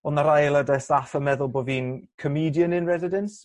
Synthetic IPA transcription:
ɔnaɾajlˠədɛsafəmɛðʊlˠboːviːnkʰəmiːdjənɪ̃nɹɛzɪdɛns

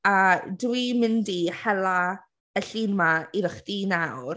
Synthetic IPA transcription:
adwimɪndiħɛla | əɬiːnmaiðəχdinawr

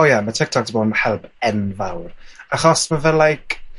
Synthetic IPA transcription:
ojamatʰɪk̚tʰɔk̚tʰiboːnhɛlˠpʰɛnvawraχɔsmavɛlːajkʰ

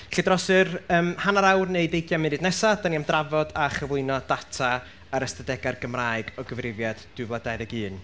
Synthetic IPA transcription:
ɬɪdrɔsɨrəːmhanaɾawrnejdejɡjamɪnɨdnɛsadaniamdravɔdaχəvʊɨnɔd̥atʰa | əɾəstədɛɡarɡəmraːɨɡɔɡəvrɪvjad̥d̥ʊvlˠadajðɛɡɨːn

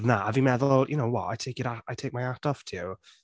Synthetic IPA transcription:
vnaʔavimɛðʊlˠjʊnowwɔ̰a̰jtʰejkiɾaajtʰejk̚majad̥ɔftʰɪw

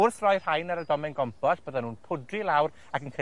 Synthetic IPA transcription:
ʊrθrɔjr̥ajnaɾədɔmɛnɡɔmpʰɔsb̥əðanuːnpʰʊdrilˠawɾ | akənkʰe

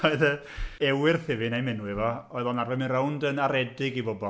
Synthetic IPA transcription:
ɔɨðə | ɛwɪrθɪvɪnajmɛnuɪvɔɔɨðɔnarvɛmɪnrowndənaɾɛdɪɡibɔbɔ

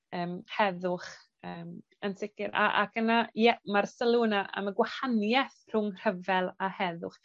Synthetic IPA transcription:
əːmhɛðʊχ | əːm | ənsɪkɪɾa̰ʔa̰kənajɛmarsɛlˠuːnaʔa̰maɡwahanjɛθr̥ʊŋr̥əvɛlˠahɛðʊχ

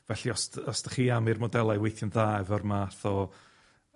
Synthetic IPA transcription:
vɛɬiɔstɔstə̥χiːamirmɔdɛlˠajwejθjənðaːvɔrmaːθɔ

